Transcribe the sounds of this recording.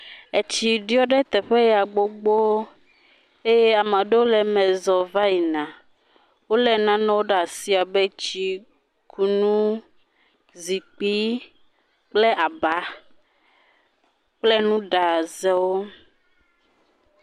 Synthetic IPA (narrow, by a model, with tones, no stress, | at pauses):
e˨t͡ɕi˨ɖi˦ɔ˦ɖɛ˦t̪ɛ˨ɸe˦jɛ˨a˨ɡ͡bo˦ɡ͡bo˦ | e˦je˦a˨mã˨ɖe˦wo˦lɛ˨mɛ̃˨zɔ˨va˦ji˨nã˨ | wo˦lɛ˨nã˦nɔ̃˦wo˦ɖa˨si˦a˨be˦t͡ɕi˦ | kʰu˨nũ˦ | zi˨k͡pi˦ | k͡plɛ˦ʔa˨ba˨˦ | k͡plɛ˦nũ˦ɖa˨zɛ˦wo˦